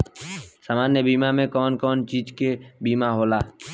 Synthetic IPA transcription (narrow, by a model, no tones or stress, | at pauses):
saːmaːnjəbiːmamẽkɔːnkɔːnt͡ʃiːd͡ʒkebiːmaɦoːlaː